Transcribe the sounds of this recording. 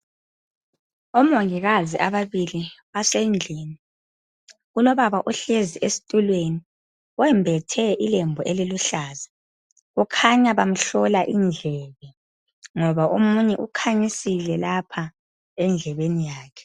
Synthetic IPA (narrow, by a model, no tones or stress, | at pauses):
ɔmoŋiɣaziʔaβaβiliβasend͡ɮʱiːni | ɣulɔβaβaʔɔɬeziʔesi̥tʼulweni | ɔwɛmbʱɛtʰɛʔilembʱɔʔeliluɬaːza | ɣukʰaɲaβam̩ɬɔlaʔind͡ɮʱɛβɛ | ŋɔβaʔumuɲɛʔukʰaɲisilɛlapʰa | ɛnd͡ɮʱɛβenijaːkʰɛ̥